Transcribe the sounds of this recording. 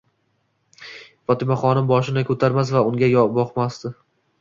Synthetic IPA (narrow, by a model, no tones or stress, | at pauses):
fɒt̪ɪmaχɒnɪmbɒʃ̬ɪnɪkʰʲɵt̪ʰaɾmas̬vaʊŋɡʲajɒbɒqmasd̪ɪ